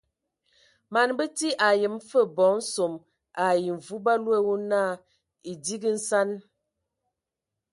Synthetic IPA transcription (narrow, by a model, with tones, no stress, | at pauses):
ma˨nbə˦ti˦ʔa˨jə˨mfə˦˨bɔ˨˦n̩˦so˨m | ʔa˨ji˨ɱ˨vu˦ba˦lwe˦wo˦na˦˨ | i˨di˦ɡə˦n̩˦sa˦n